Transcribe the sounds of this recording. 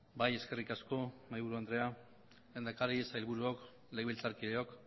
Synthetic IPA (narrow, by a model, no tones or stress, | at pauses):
baje̞ske̞rikasko̞majβuɾuand̪ɾe̞a | lend̪akaɾiesailβuɾuok | leɣilt͡saɾkiðeo̞k